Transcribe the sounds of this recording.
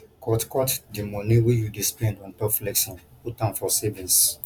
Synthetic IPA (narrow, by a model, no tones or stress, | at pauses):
kɔtkɔtdimɔ̃niwijudispɛ̃ndɔ̃ntɔpflɛksɔ̃nputãnfɔsɛvĩns